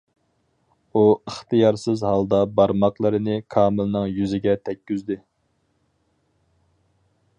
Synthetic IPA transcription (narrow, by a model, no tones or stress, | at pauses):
uəχt̪ɨjɑɾsɪzɦɑlˠd̪ɑbɑɾmɑqlˠɨɾɨnɪkʰɑːmɨlˠnɨŋjyzɪɡʲɛt̪ʰɛkʲːyzd̪ɪ